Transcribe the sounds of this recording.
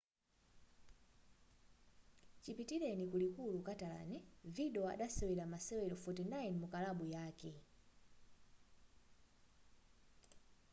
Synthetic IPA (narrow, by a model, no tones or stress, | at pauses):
t͡ʃipitilɛnikulikulukatala̰nɛviɗɛɔa̰ɗasɛwɛlamasɛwɛlɔfɔtɛnaɛnimukalaɓujaːkɛ